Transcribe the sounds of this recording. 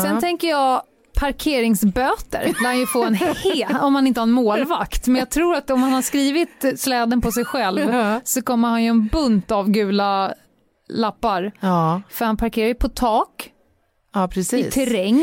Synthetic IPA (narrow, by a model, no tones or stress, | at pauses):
sɛnt̪ʰɛŋkəjɑː | pʰaɾkʰeːɾɪŋsbøːt̪ə̰ɾhanjɵfoːɛnhːɔmhanɪnt̪əhanmoːlvakt̪mɛnjɑːt̪ʰɾuːɾat̪ɔmhanhaʂkɾiːvɪt̪slɛːd̪ənpʰɔsɛjɧɛlvsɔkɔmːəɾhanjɵɛnbɵnt̪avɡʉ̟ːla | lapːaɾfœɾhanpʰaɾkʰeːɾajəpʰɔt̪ʰɑːkː | pʰɾɛsiɪːt̪ʰɛɾɛŋ